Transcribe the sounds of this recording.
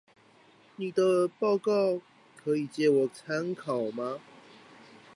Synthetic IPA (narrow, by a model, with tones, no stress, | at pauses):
ni˨˩d̪ə˨pɑ˥˧ʊkɑ˥˨ʊ | kʰə˨˦i˨˩t͡ɕjɛ˦wɔ˨˩t͡sʰa˦nkʰɑ˨˩ʊma˦